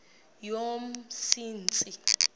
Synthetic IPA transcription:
jomsiːnt͡sʼi

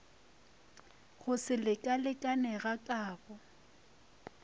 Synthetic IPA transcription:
χʊsɪlɪkʼalɪkʼanɛɣakʼaːbɔ

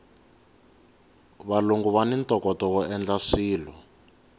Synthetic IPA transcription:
βaluŋɡuβanintɔkɔtɔkɔɛnd͡ɮaʂiːlɔ

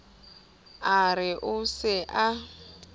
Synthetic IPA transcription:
aɾɪʔʊsɪʔa

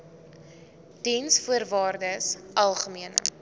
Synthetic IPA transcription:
dɛnsfuərvɑːrdəsʔɐlˠχəmiənə̰

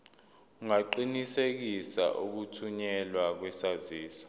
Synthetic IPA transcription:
uŋaǃinisek̬isa̰ʔuk̬utʰuɲɛlwak̬wɛsaziːsɔ̥

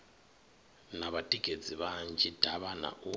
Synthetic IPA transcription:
naβatʼikʼed͡ziβand͡ʒid̥ʱaβana̰ʔu

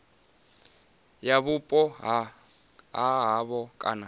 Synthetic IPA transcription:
jaβʊpʼɔɦ | ɦaɦaβɔkʼa̰na

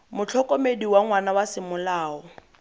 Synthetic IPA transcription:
mʊt͡ɬʰɔkʼɔmediwaŋwanawasɪmʊlaːɔ

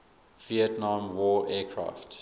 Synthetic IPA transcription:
v̥iətnãmwɔːʔɛːkʰɹa̰ːft

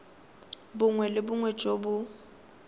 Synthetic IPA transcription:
bʊŋwɛlɪbʊŋwɛt͡ʃʼobʊ

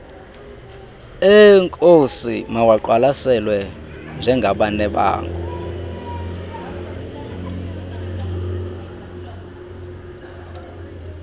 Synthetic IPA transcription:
ɛŋkʼosimawaǃwalasɛlwɛ | nd͡ʒʱɛŋɡʱaɓanɛɓa̰ːŋkʰʼu

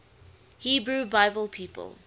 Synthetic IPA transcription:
hiːbɹubaɪbəlˠpʰiːpʰə̰lˠ

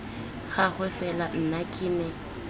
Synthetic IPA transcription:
ɣaɣɛfɛlan̩nakʼɪːnɛ

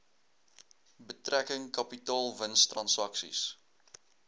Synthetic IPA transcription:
bətrækəŋkɐpitɑːlˠvənstrɐnsɐksḭs

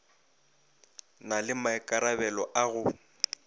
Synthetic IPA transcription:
nalɪmaɛkʼaɾabɛlɔʔaɣʊ

